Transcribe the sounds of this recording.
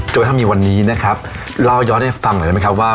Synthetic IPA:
t͡ɕo˨˧˩t̪ʰa˥˩miː˧wa˧nːiː˦˥na˦˥kʰa˦˥p̚ | ɾa˧˩wjɔː˦˥nda˥˩fa˧ŋʔa˨˩˨m˦˥kʰa˦˥p̚waː˥˩

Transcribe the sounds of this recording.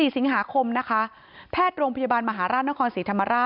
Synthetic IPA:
iː˨˩si˨˩˦ŋɦaː˩˦kʰo˧mna˦˥kʰa˦˥ | pʰɛː˥˩t̪̚ɾoː˧ŋpʰa˧jaː˧baː˧nma˧ɦaː˩˦ɾaː˥˩na˥kʰɔː˧nsiː˩˦t̪ʰa˧mːa˧ɾaː˥˩

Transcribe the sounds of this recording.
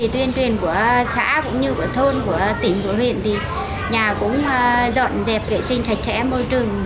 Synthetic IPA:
i˨˩t̪wi˧ənt͡ɕwi˨˩ənku˧˩əsa̰ː˧˥kʊ̰˧˥ŋ͡mɲɨ˧ku˧˩ət̪ʰo˧nku˧˩ət̪ï˧˩ŋ̟ku˧˩əɦwḭ˧˨ənt̪ʰi˨˩ | ɲaː˨˩kʊ̰˧˥ŋ͡mzɔ̰˧˨nzɛ˨˩p̚vḛ˧˨si˧ŋ̟t͡ɕ̪ʰa˨˩jk̟̚sɛ̰˧˥mo˧jt͡ɕɨ˨˩əŋ

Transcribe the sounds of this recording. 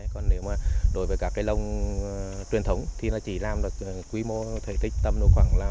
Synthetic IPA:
kɔ˨˧˩nne˨˦wmaː˨˩ɗo˨˦jvəː˨˦kaː˦˥kːaː˨˦jlə˧wŋ͡m | t͡ɕwi˨˩ənt̪ʰə˨˦wŋ͡mt̪ʰi˨˩naː˧˩t͡ɕi˧˩laː˨mɗɨ˨˩ək̚ːkːwi˨˦mo˧t̪ʰḛ˧˩t̪ʰï˦˥k̚t̪ə˧mɗu˧xwaː˧˩ŋlaː˨˩

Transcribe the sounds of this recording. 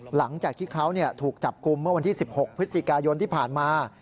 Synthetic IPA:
la˩˦ŋt͡ɕaː˨˩k̚t̪ʰiː˥˩kʰa˦˥wni˥˩ɐt̪ʰuː˨˩k̚t͡ɕa˨˩p̚ku˧mːɯ˥˩ɐwa˧nt̪ʰiː˥˩si˨˩p̚ho˨˩k̚pʰɾɯ˦˥t̪̚skaː˧jo˧nt̪ʰiː˥˩pʰaː˨˩nmaː˧

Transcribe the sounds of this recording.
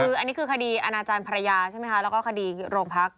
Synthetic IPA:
kʰɯː˧ʔa˧nːiː˦˥kʰɯː˧kʰa˧diː˧ʔa˧naː˧t͡ɕaː˧npʰa˧ɾa˧jaː˧t͡ɕʰa˥˩ma˦˥kʰa˦˥lɛː˦˥wkɔː˥˩kʰa˧diː˧ɾoː˧ŋpʰa˦˥k̚

